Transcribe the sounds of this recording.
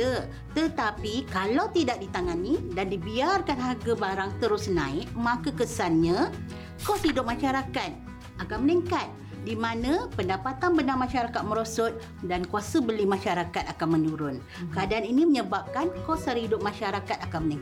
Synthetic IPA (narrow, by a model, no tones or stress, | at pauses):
ə | t̪ət̪apikalawt̪idak̚dit̪aŋanidandibiarkanɦarɡabaɾaŋt̪əɾʊsnãɪk̚mãkakəsanɲã | kɔshidʊp̚mãʃaɾakat̪̚ | akanməniŋkat̪̚ | dimãnə̃pəndapat̪anbənarmãʃaɾakat̪̚mə̃ɾosɔt̪̚ | dankuasəbəlimãʃaɾakat̪̚akanmə̃nuɾʊn | kəadaʔaniniməɲəbap̚kankɔsarhidʊp̚mãʃaɾakat̪̚akanməniŋk